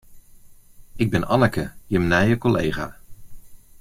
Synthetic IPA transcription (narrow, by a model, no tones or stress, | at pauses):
ɪɡ̚bɪnɑnəkəjəmnaːjəkɔlḛjχaː